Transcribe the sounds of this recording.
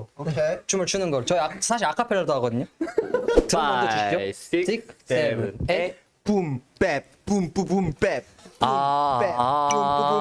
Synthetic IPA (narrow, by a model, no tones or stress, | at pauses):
okʰet͡ɕumɯɭt͡ɕʰunɯnɡʌɭt͡ɕʌiasʰaɕ̬ʰiɾakʰapʰeɾɯdoɦaɡʌdɯɲo | tɯaoiotik̚see | pumpep̚pumpubumpeb̚ue